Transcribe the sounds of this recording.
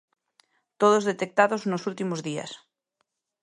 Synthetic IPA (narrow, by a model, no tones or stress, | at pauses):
t̪oð̞ozðet̪ek̚t̪aðoznosult̪imozðia̰s